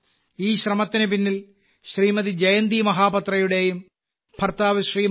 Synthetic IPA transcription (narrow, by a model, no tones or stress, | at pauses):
iːɕrɐmɐt̪ːinɨp̬inːil | ɕriːmɐðid͡ʑɐjɐnd̪imɐɦaːpɐt̪rɐjuɽe̞jum | pʰɐrt̪aːʋɐɕriː